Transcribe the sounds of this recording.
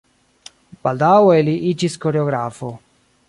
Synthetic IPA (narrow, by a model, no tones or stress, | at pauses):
bald̪awɛliʔit͡ʃiskoɾeɔɡɾafo